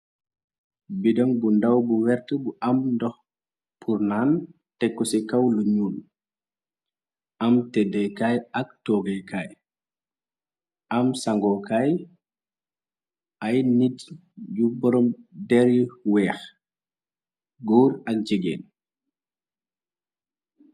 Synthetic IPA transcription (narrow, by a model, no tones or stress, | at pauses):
bidɔŋbundawbuwɛɾtəbuʔamndɔx | pʰuɾnan | tɛkːɔsɛkawluɲuːl | ʔamtɛdɛkajaktɔɡɛjkaj | ʔamsaŋɡɔkaːj | ʔajnit | ɟubɔɾɔmdɛɾiwɛːx | ɡɔːɾakd͡ʒiɡɛ̰ːn